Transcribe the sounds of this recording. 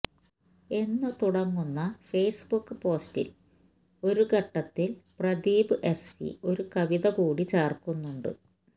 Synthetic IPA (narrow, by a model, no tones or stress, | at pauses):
e̞nːɨt̪uɽɐŋːunːɐfeːsbukːɨpo̞ːstḭl | o̞ɾukɐʈːɐt̪ːilprɐd̪iːbɨʔe̞sfḭo̞ɾukɐʋiðɐkuːɽit͡ɕeːrkunːuɳɖɨ̰